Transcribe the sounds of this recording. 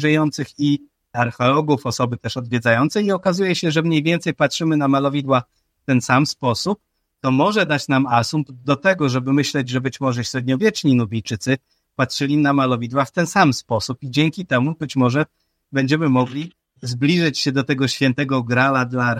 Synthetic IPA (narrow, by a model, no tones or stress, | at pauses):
ʐɛjɔnt̪sɘxi | aɾxɛlɔɡufɔsɔbɘt̪ɛʂɔd̪vʲjɛd̪zajɔnt̪sɛɲɛɔkazujɛɕɛʐɛmɲejvʲjɛnt̪sɛjpatʂɘmɘnamalɔvʲid̪wa | ft̪ɛnsamspɔsup̚ | t̪ɔmɔʐɛd̪at͡ɕnamasumpd̪ɔt̪ɛɡɔʐɛbɘmɘɕlɛd͡ʑʐɛbɘt͡ɕmɔʐɛɕɾɛd̪ɲɔvʲjɛt͡ʂɲinubʲijt͡ʂɘt̪sɘ | patʂɘlʲinamalɔvʲid̪waft̪ɛnsamspɔsupid͡ʑeŋkʲit̪ɛmubɘt͡ɕmɔʐɛ | bɛɲd͡ʑɛmɘmɔɡlʲi | zblʲiʐɛt͡ɕɕɛd̪ɔt̪ɛɡɔɕfʲɛnt̪ɛɡɔɡɾalad̪la